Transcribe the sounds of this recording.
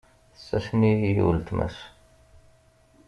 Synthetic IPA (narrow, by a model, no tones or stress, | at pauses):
sːæsnijijṵlt̪mæ̰s